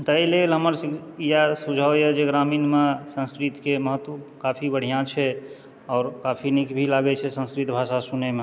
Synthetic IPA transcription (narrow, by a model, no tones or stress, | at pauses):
t̪əilelɦəməɾsijasud͡ʒʱəjɛd͡ʒeɡɾaminmesə̃nskɾit̪keməɦət̪kapʰibəɽ̤ijãt͡ʃʰɛ | ɔːɾkapʰinikbʱilaɡɛt͡ʃʰɛsə̃nskɾit̪bʱaʃasuneme